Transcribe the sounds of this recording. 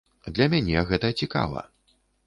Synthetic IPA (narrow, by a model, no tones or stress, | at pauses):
d̪lʲɐmʲanʲɛɣɛt̪ɐt͡sʲika̰vɐ̰